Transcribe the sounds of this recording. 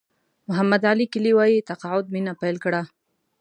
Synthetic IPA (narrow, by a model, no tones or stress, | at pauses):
mʊɦamːad̪alikɪliwajit̪aqɑʕʊd̪̚minapajlkɽa